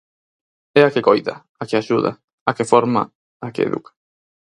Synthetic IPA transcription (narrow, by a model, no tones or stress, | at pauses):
ɛakekojða̰ | akeaʃuða̰ | akefɔɾma̰ | akḛḛðṵkḁ